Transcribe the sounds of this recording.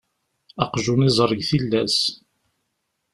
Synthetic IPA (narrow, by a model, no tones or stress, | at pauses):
ɑqʒunizˤəɾˤːəʝθilːæs